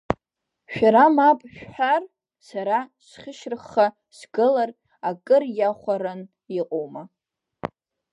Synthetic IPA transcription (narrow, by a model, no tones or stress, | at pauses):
ʃᶣaɾamapʼʃᶣħar | saɾasχʲɪʃrɨχːa | sɡɨlar | akʼɨrjaχʷaɾan | iqʼowma